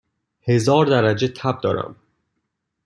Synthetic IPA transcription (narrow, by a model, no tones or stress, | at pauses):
he̞zɒːɾd̪æɾæd͡ʒe̞t̪ʰæb̚d̪ɒːɾæ̰m